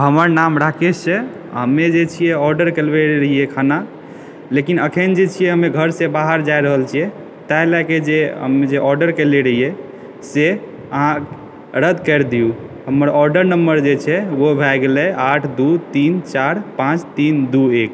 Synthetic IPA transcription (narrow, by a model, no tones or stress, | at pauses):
ɦəməɾnamɾakʰesẽ | ɦəmːed͡ʒet͡ʃʰijɛɔɾɖəɾkelbeɾəɦijɛkʰana | lekinəkʰənd͡ʒet͡ʃʰijɛɦəmeɡʱəɾsẽbaɦəɾd͡ʒajɾəɦəlt͡ʃʰijɛ | t̪alaked͡ʒeɦə̰med͡ʒeʔɔɾɖəɾkeleɾəɦijɛ | se | əɦã | ɾəd̪kəɾd̪ijuɦəməɾɔɾɖəɾnəmbəɾd͡ʒet͡ʃʰɛwobʱajɡelɛaʈʰd̪ut̪int͡ʃaɾpãt͡ʃt̪ind̪uek